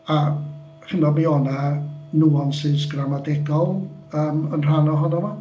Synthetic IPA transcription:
a | hɪnɔmiɔnanuɔnsɨsɡramadɛɡɔlˠəːmənr̥anɔɦɔnɔnɔ

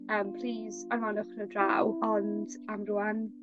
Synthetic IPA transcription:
əːmpʰl̥iːzanmanɔχənədra̰wɔnd̥ | amruan

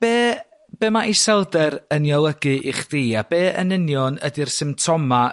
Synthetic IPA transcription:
b̥eː | b̥eːmaʔisɛlˠdɛɾənjɔlˠəɡɨʔɪχd̥iːabeːʔə̰nɪnjɔnədirsɨmtʰɔma

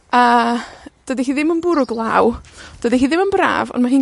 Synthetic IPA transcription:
ə | d̥ədiɦiːðɪmənbʊɾʊɡlˠawd̥ədiɦiːðɪmənbra̰ːvɔ̰nmaɦiː

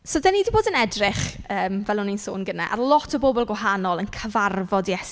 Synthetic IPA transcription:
soːdaniːdiboːdənɛdrɪχəːmvɛlˠʊninso̰ːnɡəna̰ʔa̰rlˠɔtʰɔbobɔlˠɡwaɦanɔlˠənkʰəvarvɔdjɛs

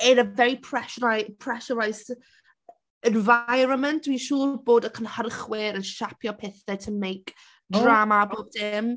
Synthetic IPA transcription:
ɪnəvɛɾipʰrɛʃnajpʰr̥ɛʃəɾajs | ənvajɾəmɪnd̥wiʃuːboːdəkʰənhərχwɪɾənʃapʰjɔpʰɛθɛtʰəmejk | dramaboːb̚dɪm

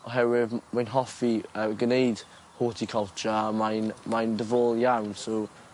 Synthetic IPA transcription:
ɔɦɛwɪðmajnɦɔfiəɡənejd̥ | hoːtʰikʰɔlˠt͡ʃəmajnmajndəvoːlˠjawnso

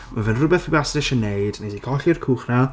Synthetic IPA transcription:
mavɛnrʊbɛθbasdɪʃənejdnejsikʰɔɬirkʰuːχna

